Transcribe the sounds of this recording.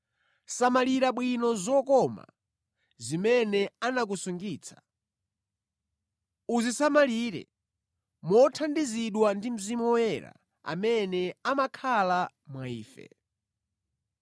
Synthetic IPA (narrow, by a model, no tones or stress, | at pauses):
samaliɾaɓwinɔzɔkɔma̰ | zimɛnɛanak̬usuŋɡiːt͡sʰḁ | uzisamaliɾɛ̰ | mɔtʰandiziɗwandim̩zimuɔwɛɾa̰ | a̰mɛnɛamakʰala | mwaiːfɛ̰